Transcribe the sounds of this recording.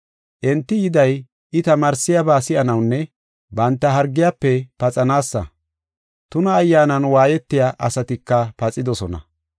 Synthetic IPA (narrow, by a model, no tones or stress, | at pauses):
ʔɛnt̪ːɪjɪd̪ɐj | ʔɪt̪ɐmaːɾsɪjabaːsɪʔɐnɐwnːɛ | bɐnt̪ːɐɦɐɾɡːɪjaːpːɛpɐt͡sʼɐnaːsːɐ̰ | t̪ʊnɐːjːaːnɐnwaːjɛt̪ːɪjaʔɐsɐt̪ɪkːɐpɐt͡sʼɪd̪ɔsɔnɐ̰